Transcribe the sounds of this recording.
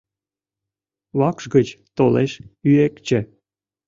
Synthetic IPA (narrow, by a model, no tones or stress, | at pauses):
βɑkʃɡət͡ɕt̪oleʃyekt͡ɕĕ